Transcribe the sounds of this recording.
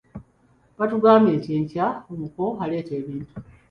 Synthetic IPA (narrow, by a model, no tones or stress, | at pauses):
βatuɡaːmbe̞ːntieːɲcaomuko̞ale̞ːte̞ːβiːntu̥